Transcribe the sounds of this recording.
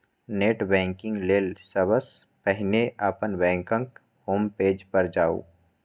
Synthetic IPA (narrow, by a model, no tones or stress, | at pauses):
neːʈbɛ̃ːŋkɪ̃ŋɡleːlsəbəs | pɛɦɪneʔaːpənbɛ̃ːŋkə̃ŋk | hoːmpeːd͡ʒpɐɾd͡ʒaːṵː